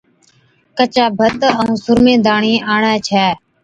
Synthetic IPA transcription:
kət͡ʃaːbʱət̪əũːsʊɾmẽːd̪aːɳiːaːɳɛːt͡ʃʰɛː

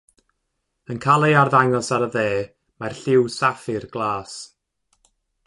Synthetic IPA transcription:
ənkʰalˠɛarðaŋɔsaɾəðeː | marɬɪwsafɨrɡlˠaːs

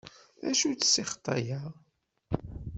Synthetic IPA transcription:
æ̰ʃut͡sːsiχt̪ˤːɑ̰jəʁ

